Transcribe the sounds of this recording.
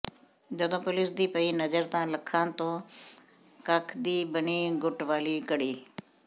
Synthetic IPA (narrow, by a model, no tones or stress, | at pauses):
d͡ʒəd̪õːpʊlɪsd̪iːpəiːnəzəɾt̪ãːləkʰãːt̪õː | kəkʰd̪iːbəniːɡʊʈʋaːliːkəɽiː